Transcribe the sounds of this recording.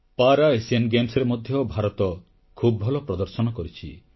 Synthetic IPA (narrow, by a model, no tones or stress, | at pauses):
paɾaesienɡemsɔɾemɔd̪ʱjɔbʱaɾɔt̪ɔ | kʰubbʱɔlɔpɾɔd̪ɔɾsɔnɔkɔɾit͡ʃʰḭ